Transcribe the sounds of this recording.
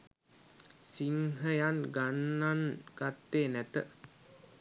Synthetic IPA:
siŋɦəjanɡanːanɡ̥at̪ːeːnæt̪ə

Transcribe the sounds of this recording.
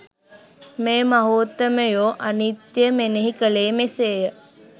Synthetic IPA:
meːmaɦuːt̪ːəməjoːʔanit̪jeəmeneɦikəleːmeseːjə

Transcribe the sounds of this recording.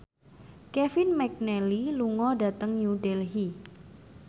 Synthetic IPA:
kɛfinmɛk̚nɛliluŋɔɖa̤t̪əŋɲjuɖɛlɦi

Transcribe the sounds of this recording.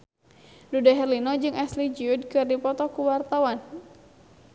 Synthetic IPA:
dudaɦɛrlinɔd͡ʒɨŋɛslid͡ʒiud̚kɨrdipɔt̪ɔkuwart̪awan

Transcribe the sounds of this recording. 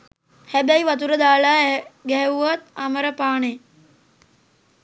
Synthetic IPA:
hæbæjʋat̪̬uɾəd̪aːlaːɡɛɦɛʋuʋat̪̚aməɾəpaːne

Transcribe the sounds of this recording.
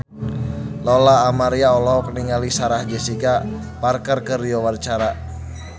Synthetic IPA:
lɔlaːmaɾiaɔlɔɦɔkniŋalisaɾahd͡ʒɛsika | parkərkəriɔwart͡ʃaɾa

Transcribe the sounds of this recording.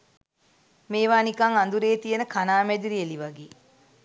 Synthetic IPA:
meːʋaːnikaŋand̪uɾeːt̪ijənəkʰanaːmɛd̪iɾieliʋaɡeː

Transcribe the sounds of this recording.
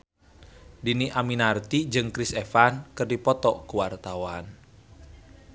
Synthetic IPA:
diniʔaminart̪id͡ʒɨŋkɾisɛfankɨrdipɔt̪ɔkuwart̪awan

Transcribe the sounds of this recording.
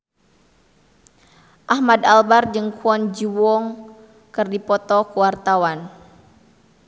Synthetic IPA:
ʔahmadalbard͡ʒɨŋkʰuɔnd͡ʒiwɔŋ | kɨrdipɔt̪ɔkuwart̪awan

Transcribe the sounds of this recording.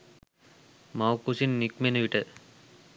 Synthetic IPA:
mawkusinːikmenəʋiʈə

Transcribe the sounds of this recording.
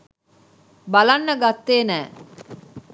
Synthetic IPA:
balɐnːəɡat̪ːeːnɛː

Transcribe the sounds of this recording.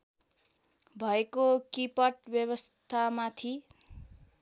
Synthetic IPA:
bʱʌekokipʌʈ̚bjʌβʌst̪ʰamat̪ʰi

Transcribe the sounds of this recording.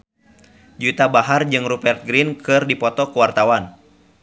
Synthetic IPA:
d͡ʒut̪abaɦard͡ʒɨŋrupɛrt̪̚ɡɾinkʰɨrdipɔt̪ɔkuwart̪awan

